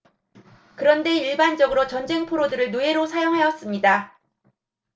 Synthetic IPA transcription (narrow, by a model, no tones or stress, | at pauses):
kɯɾʌnde̞iɭband͡ʑʌɡɯɾot͡ɕʌnd͡ʑe̞ŋpʰoɾodɯɾɯɭnoe̞ɾosʰajoŋɦejʌs͈ɯmɲida